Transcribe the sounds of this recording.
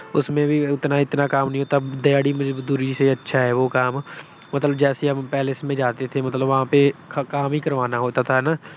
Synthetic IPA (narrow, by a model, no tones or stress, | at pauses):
ʊsmẽbʱiɪt̪naɪt̪nakaːmnɐɦĩɦoːt̪ad̪ɐjaːɽimʊ̃d͡ʒed̪uːɾiseɐtːʃʰaɦɛːʋokaːm | mɐt̪ləbd͡ʒɛːseɦɐmpɛːlesmẽd͡ʒaːt̪et̪ʰemɐt̪ləbʋɐɦãpekaːmɦikɐɾʋaːnaɦoːt̪at̪ʰaɦnaː